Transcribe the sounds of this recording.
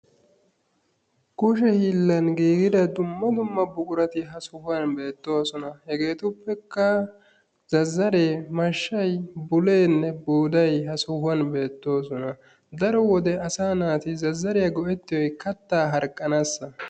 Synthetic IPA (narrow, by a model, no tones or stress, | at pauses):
kʊʃɛhiːlːɐnɡiːɡɪd̪ɐd̪ʊmːɐd̪ʊmːɐbʊɡʊɾɐt̪ɪɦɐsʊhʊɐnbe̞ːt̪ːo̞ːsɔnɐhɛɡe̞ːt̪ʊpːɛkːɐ | zɐzːɐɾeːmɐʃːɐjbʊleːnːɛbuːd̪ɐjɦɐsʊhʊɐnbe̞ːt̪ːo̞ːsɔnɐ | d̪ɐɾɔwɔd̪ɛʔɐsaːnaːt̪ɪzɐzːɐɾɪjɐɡɔʔɛt̪ːɪjɔjkɐt̪ːaːɦɐɾkʼːɐnasːɐ